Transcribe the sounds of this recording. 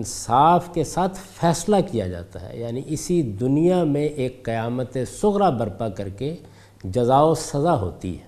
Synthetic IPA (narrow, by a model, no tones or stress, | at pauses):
ɪnsaːfkesaːt̪ʰfɛːslakija̰d͡ʒa̰ːt̪a̰ɦɛ̰jaːniʔɪsid̪ʊnijamẽʔeːkːɐjaːmət̪esʊɣɾabɐɾpakɐɾke | d͡ʒɐzaːosɐzaɦo̰ːt̪ḭɦɛː